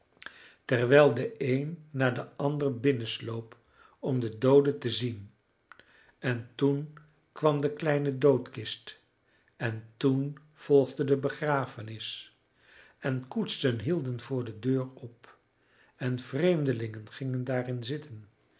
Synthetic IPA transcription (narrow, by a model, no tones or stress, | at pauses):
tɛɹʋɛjlˠdəejnːaːɹdəʔɑndərbɪnənslowp | ɔmdədowdətəzin | ɛntun | kʋɑmdəklɛjnədowtkɪst | ɛntun | v̥ɔlˠχdədəbəχraːfənɪs | ɛnkutstənɦilˠdənvʊːɹdədøːɹɔp | ɛnv̥rejmdəlɪŋənχɪŋəndaːrɪnzɪtən